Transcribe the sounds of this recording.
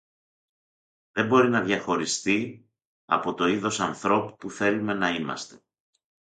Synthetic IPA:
ðembo̞ɾinɐðʝɐxo̞ɾist̪i | ɐ̰po̞t̪o̞iðo̞sɐnθɾo̞pu̥puθe̞lume̞nɐimɐ̰st̪e̞̥

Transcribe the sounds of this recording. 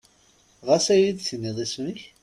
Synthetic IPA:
ʁasæjid̪θnːiðˤisniç

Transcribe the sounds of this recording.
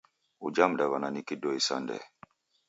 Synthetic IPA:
ud͡ʒamdaβananikidɔisa̰ndɛ̰

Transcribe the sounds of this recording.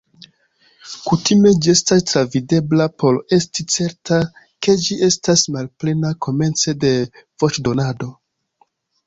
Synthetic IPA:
kutime̞d͡ʒie̞stastɾavide̞blapo̞ɾe̞stit͡se̞ɾta | ke̞d͡ʒiʔe̞stasmalple̞nako̞me̞nt͡se̞de̞v̥o̞t͡ʃdo̞nado̞

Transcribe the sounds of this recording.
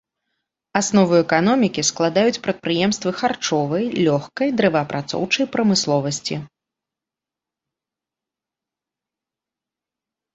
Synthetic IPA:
asnɔvɨɛkanɔmʲikʲisklˠad̪ajut͡sʲpɾɐt̪̚pɾɨjɛmst̪vɨxart͡ʂɔvɐjlʲɔxkɐjd̪ɾɛvɐpɾʔat̪sɔ̰wt͡ʂɐjpɾɐmɨslˠɔvɐsʲt͡sʲi

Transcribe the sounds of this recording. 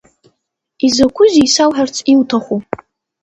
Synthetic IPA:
izɐkʷʰʊzisawħart͡sʰʼiwtʰaχʷu

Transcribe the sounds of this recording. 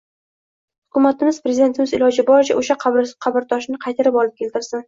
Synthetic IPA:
hʊ̥kʲʊmat̪ɪmɪzpɾezɪd̪e̞nt̪ʰɪmɪzɪlɒd͡ʒɪbɒɾɪt͡ʃʰaʔoʃaqʰɑbɾqʰɑbɪɾd̪ʰɒʃnɪqʰɑjt̪ʰaɾɪpɒlˠɪp̚kʲʰe̞lt̪ɪɾsɪn

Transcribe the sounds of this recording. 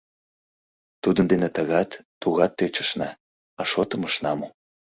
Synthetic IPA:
t̪ud̪ənd̪enet̪əɣɑt̪ːuɣɑt̪ːøt͡ɕə̥̆ʃnɑ | ɑʃot̪ə̆məʃnɑmo

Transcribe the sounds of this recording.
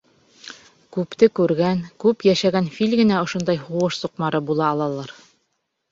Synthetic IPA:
kʉpt̪ɘkʉɾɡæŋkʉpjæʃæɡænfilʲɡɘ̆næŏʃond̪ɑjhuʁɤʃsuqmɑɾɤbulˠɑːlˠɑlˠɑɾ

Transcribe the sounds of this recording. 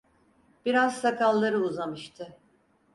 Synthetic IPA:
b̥iɾaz̥sakʰalˠːaɾɯuzamɯʃt̪ʰɯ

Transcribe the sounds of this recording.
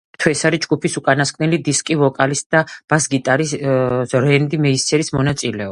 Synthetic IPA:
t̪ʰwɛsaɾid͡ʒɡupʰisukʼanaskʼnɛlid̪iskʼivɔkʼalisd̪̥ab̥asɡit̪ʼaɾi | ɾɛnd̪imɛisɛɾismɔnat̪sʼilɛɔb

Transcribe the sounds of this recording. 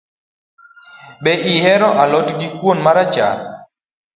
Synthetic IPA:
bɛʔihɛɾɔʔalɔtɡikwonmaɾad͡ʒa̰l

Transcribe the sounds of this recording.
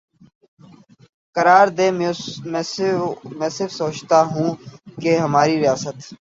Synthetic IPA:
kəɾaːɾd̪eːmɛ̃ | mɛ̃ːsɪɾfsoːt͡ʃt̪aɦũːkeɦəmaːɾiɾɪjaːsət̪

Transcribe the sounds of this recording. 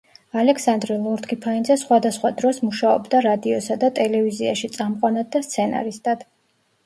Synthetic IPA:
alɛksand̪ɾɛlˠɔɾt̪ɡʰipʰaind̪zɛsχwad̪asχwad̪ɾɔsmuʃaɔ̰bd̪aɾad̪iɔsad̪at̪ʼɛlɛviziaʃit̪sʼamqʼanad̪̚d̪ast̪sʰɛna̰ɾist̪ʼad̪̥

